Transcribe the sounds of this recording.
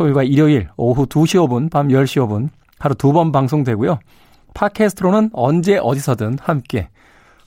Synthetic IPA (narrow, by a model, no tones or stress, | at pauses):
sʰoiɭɡwaiɾjʌiɾʌɦutuɕʰiʌbɯnpamjʌɭɕ͈iʌbɯn | paɾotubʌnbaŋs̬ʰoŋdwe̞ɡujo | pʰakʰesʰɯtʰɾonɯnʌnd͡ʑe̞ʔʌdisʰʌdɯnhamk͈e̞